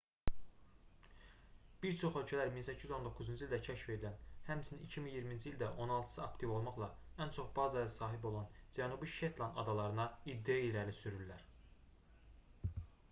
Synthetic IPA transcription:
b̥iɾt͡ʃʰo̞χølt͡ʃʰælæɾminsæcʰːizyzo̞nd̪o̞kʰːuzund͡ʒild̪æcʰæʃfe̞d̪ilænhæmsʰiniicʰiminjiɾmind͡ʒilʲd̪æʔo̞nɑlˠt̪ʰɯ̥sɯɑkt̪ʰivo̞lˠmɑχlˠɑænt͡ʃʰo̞χbɑːzɑjɑsɑːɦibo̞lˠɑnd͡ʒænubiʃet̪lˠɑnɑ̰d̪ɑlˠɑɾɯnɑid̪ːeilæɾlisyɾylːæɾ

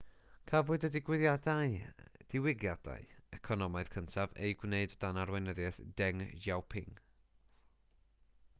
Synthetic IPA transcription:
kʰavʊɨdədɪɡwɪðjadaɨd̥ɪwɪɡjad̥a̰ɨɛkʰɔnɔmaɨð̥kʰəntʰavḛjɡwneɨdd̥anarwɛnəðjɛθd̥ɛŋjawpʰɪŋ

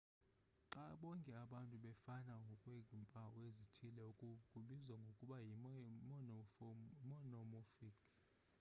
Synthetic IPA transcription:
ǁaɓɔŋkʼɛaɓantʼuɓɛfanaŋɡʱɔkʼweɡʱimpʼawezitʰilɛukʼukʼuɓizaŋɡʱokʼuɓajim | mɔnɔmɔfikʼʰ

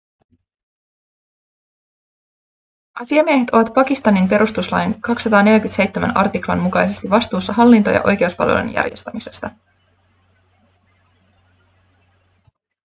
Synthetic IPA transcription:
ʔɑsiɑmieɦe̞t̪o̞ʋɑt̪pɑkist̪ɑnimpe̞ɾʔust̪uslɑ̰jnkɑksːɑt̪ɑːne̞ljækyt̪se̞jt̪ːemæ̰nɑ̰rt̪iklɑ̰nmukɑjse̞st̪iʋɑst̪uːsːɑɦɑlːint̪o̞jɑ̰ʔo̞jk̟e̞uspɑ̰lʋḛlṵnjæ̰rje̞̰st̪æmise̞st̪ɑ

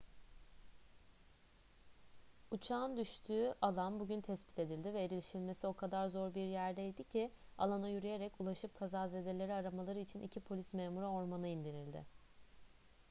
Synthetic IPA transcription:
ut͡ʃʰaːnd̪yʃt̪ʰyːʔalˠanbuɟynt̪ʰɛspi̥t̪ʰe̞d̪ilʲd̪ivɛiɾilʲiʃilʲme̞sio̞kʰad̪aɾzo̞ɾbiɾjæɾd̪ɛid̪icʰia̰lˠanajyɾyje̞ɾɛculˠaʃɯp̚kʰazaːzed̪elʲe̞ɾiaɾamalˠaɾɯit͡ʃʰinʔḭcʰipʰo̞lʲismeːmuɾao̞ɾmanɯind̪iɾilʲd̪ɪ̰

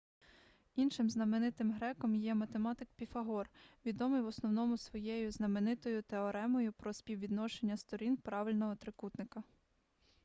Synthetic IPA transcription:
inʃɪmznɐmenɪt̪ɪmɦɾɛkɔmjɛmɐt̪emɑt̪ɪkpʲifɐɦɔrʋʲid̪ɔmɪjwɔsnɔwnɔmʊsʋɔjɛjʊznɐmenɪt̪ɔjʊt̪eɔɾɛmɔjʊpɾɔspʲiwʋʲid̪nɔʃenʲːɐst̪ɔɾʲinpɾɑʋɪlʲnɔɦɔt̪ɾɪkut̪nɪkɐ

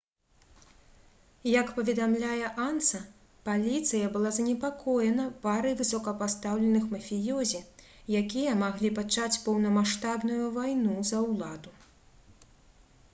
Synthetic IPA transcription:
jɐkpɐvʲɛd̪amlʲajɛʔansɐ | palʲit̪sɨjɐbɨlˠazɐnʲɛpakʰɔjɛnɐpaɾɨjvɨsɔkɐpast̪awlʲɛnɨxmɐfʲijɔzʲi | jakʲijɐmaɣlʲipat͡ʂat͡sʲpɐwnɐmaʂt̪abnujuvajnuzɐwlˠad̪u

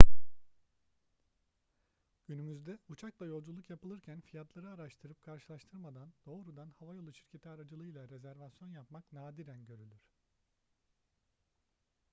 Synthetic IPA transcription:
ɟ̥ynymyzd̪ɛut͡ʃʰaklˠajo̞lˠd͡ʒulˠukjapɯlˠɯɾcʰænfijat̪lˠaɾɯaɾaʃt̪ʰɯɾɯp̚kʰaɾʃɯlˠaʃt̪ʰɯɾmad̪and̪̥o̞ːɾud̪anhavajo̞lˠut͡ʃʰiɾcʰe̞t̪ʰiaɾad͡ʒɯlˠɯjlˠaɾe̞zæɾvasjo̞njapmaknaːd̪iɾænɟø̞ɾylʲyɾ̝̥

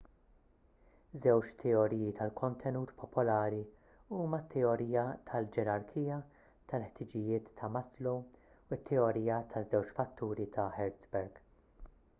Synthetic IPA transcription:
zɛwt͡ʃt̪ʰɛɔɾiːjit̪ʰɐlkʰɔnt̪ʰɛnuːt̪pʰɔpɔlɐːɾi | uːmɐt̪ʰːɛɔɾiːjɐt̪ʰɐld͡ʒɛɾɐɾkʰiːjɐ | t̪ʰɐlħt̪ɪd͡ʒɪjɪːt̪ʰːɐmɐslo | ɪt̪ʰːɛɔɾiːjɐt̪ʰɐzɛwt͡ʃfɐt̪ʰːuːɾit̪ʰɐħɛɾt͡sbɛɾɡ̥

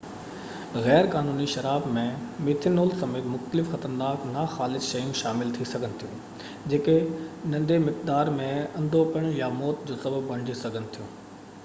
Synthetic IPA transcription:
ɣɛːɾkaːnuːniʃɐɾaːbmẽmɪːt̪ʰɪnoːlsɐmeːt̪mʊxt̪əlɪfxɐt̪əɾnaːknaxaːlɪsʃɐjũʃaːmɪlt̪ʰisɐɡʱənɪ̆t̪ʰijũː | d͡ʑeːkenɐ̃nd̪emɪk̚d̪aːɾmẽɐ̃nd̪ʱopəɽ̃jamɔːt̪d͡ʑoːsɐbəbːɐɳ̃d͡ʑisɐɡʱənɪ̆t̪ʰijũː

